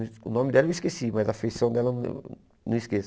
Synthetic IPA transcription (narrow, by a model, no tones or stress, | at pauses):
ʊnõmɪd̪ɛlvɪiskesimɐzɐfejsɐ̃w̃d̪ɛlɐñ̰ | nɐ̰̃w̃iskes